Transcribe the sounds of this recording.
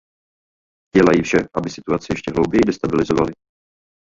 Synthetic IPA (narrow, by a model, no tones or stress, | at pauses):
ɟ̥ɛlajifʃɛʔabɪsɪ̥t̪uat͡sɪjɛʃcɛɦlowbjɛjidɛst̪abɪlɪzovalɪ